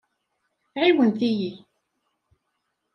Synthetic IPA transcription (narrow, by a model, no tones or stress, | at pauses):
ʕiwənθiji